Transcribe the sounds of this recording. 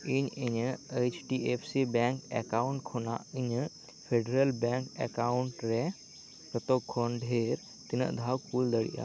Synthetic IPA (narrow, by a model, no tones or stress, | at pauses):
iɲiɲet͡ʃʈiepʰsibɛŋkɛ̰kaʊɳʈkʰona̰ʔiɲ | pʰeɖɾəlbɛ̃ŋkɛ̰kaʊɳʈɾɛ | pɾət̪okʰonɖʱeɾ | t̪inə̰ʔd̪ʱawkuːld̪əɽḭʔa̰